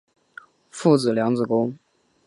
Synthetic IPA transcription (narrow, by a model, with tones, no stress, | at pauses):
fu˥˩t͡sɹ̩˨˩ljɑ˧˥ŋt͡sɹ̩˨˩kʊ˥ŋ